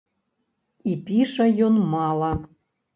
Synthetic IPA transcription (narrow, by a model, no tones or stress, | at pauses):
ipʲiʃɑjonmɑlˠɑ